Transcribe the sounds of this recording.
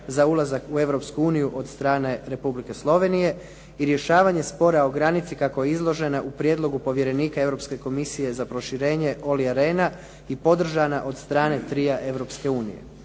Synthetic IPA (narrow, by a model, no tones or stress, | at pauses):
zaulˠazakue̞ʋɾo̞pskuuːnijuʔo̞d̪st̪ɾaːne̞ɾe̞publike̞slˠo̞ʋe̞nije̞ | iɾje̞ʃaːʋaɲe̞spo̞ɾaoɡɾanit̪sikako̞jeizlˠo̞ʒe̞naʔupɾje̞d̪lˠo̞ɡupo̞ʋje̞ɾe̞niːkae̞ʋɾo̞pske̞ko̞misije̞zapɾo̞ʃiɾe̞ːɲe̞ʔo̞liaɾe̞ːna | ipo̞d̪r̩ʒanaʔo̞d̪st̪ɾaːne̞t̪ɾiaʔe̞ʋɾo̞pske̞uːnḭjḛ